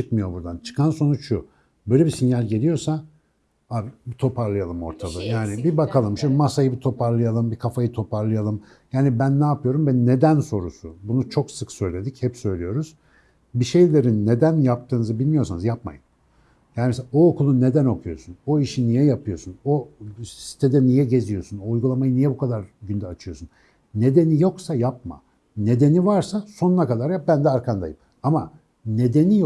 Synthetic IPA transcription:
t͡ʃɯk̪mɯjo̞buɾd̪ant͡ʃʰɯ̥kʰanso̞nut͡ʃʃu | bøjlʲebisinjalʲɟe̞lʲijo̞ɾsa | aːbibit̪ʰo̞pʰaɾlˠɯjalˠɯmo̞̰ɾt̪ʰalˠɯjaːnibibakʰalˠɯmʃamasajɯbit̪ʰo̞pʰaɾlˠɯjalˠɯmbikʰafajɯt̪ʰo̞pʰaɾlˠɯjalˠɯm | jaːnibænːaːpɯjo̞ɾumvɛnːe̞d̪ænso̞ɾusubunut͡ʃʰo̞ksɯksø̞jlʲe̞d̪ichɛpsø̞jlʲijo̞ɾuz̥ | biʃe̞jlʲe̞ɾinːe̞d̪ænjap̚t̪ʰɯːnɯzɯbilʲmijo̞ɾsanɯzjapma̰jɯm | jaːnimes̬eaoːkʰulˠunːe̞d̪æno̞kʰujo̞̰suno̞iʃinijɛjapʰɯjo̞suno̞ssi̥t̪ʰed̪ɛnijɛɟe̞zijo̞sunoujɡulˠamajɯnijɛbukʰad̪aɾɟynd̪ɛat͡ʃʰɯjo̞sun | ne̞d̪e̞nijo̞ksajap̚ma̰ | ne̞d̪e̞nivaɾsaso̞nunakad̪aɾjap̚bænd̪ɛaɾkʰand̪a̰jɯm | ama | ne̞d̪e̞nij

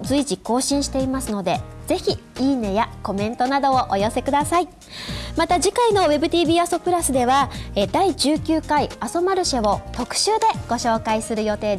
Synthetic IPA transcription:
zɨiʑiko̞ːɕĩɰ̃ɕi̥t̪e̞imasɨno̞d̪e̞z̥e̞çʲiiːne̞jako̞mẽ̞nt̪o̞nad̪o̞ːʔojo̞se̞kɯ̟d̪asai | mat̪aʑikaino̞βe̞bɯ̟t̪ʲiːbʲiːaso̞pɯ̟ɾasɨd̪e̞βaed̪aiʑɨːkʲɨːkaiaso̞maɾɯ̟ɕeβo̞t̪o̞kɯ̟̥ɕɨːd̪e̞ɡ̥o̞ɕo̞ːkaisɨɾɯ̟jo̞t̪e̞ːd̪

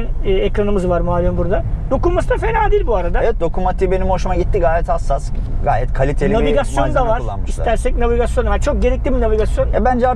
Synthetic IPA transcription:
nːekɾanɯmɯzvaɾmualʲimbuɾd̪ad̪̥o̞kunmasɯd̪afe̞naːd̪iːlʲbuaɾad̪aevɛt̪̚d̪o̞kʰumat̪ʰibe̞nimhoʃumaɟit̪ʰːiɡaːjɛt̪hasːasɡa̰ːjɛt̪kʰalʲit̪ʰeniaiviɡasjond̪avaɾˠa̰nmɯʃilsat̪æɾsɛc̚naviɡasjo̞nvɛt͡ʃʰo̞k̚ɟe̞ɾɛclʲibinavʲiɡasjo̞nɛbænd͡ʒɛaɾ

